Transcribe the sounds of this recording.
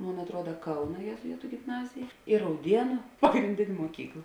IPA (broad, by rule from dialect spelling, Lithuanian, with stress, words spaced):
ˈmoːn ɐtˈruɔdɐ ˈkɐʊnɐ jeːzʊˈɪtʊ ɡʲɪmˈnɑːzʲɪjɛ ɪ rɐʊˈdʲiɛnʊ pɐɡrʲɪnʲˈdʲeːnʲ moːˈkʲiːklˠɐ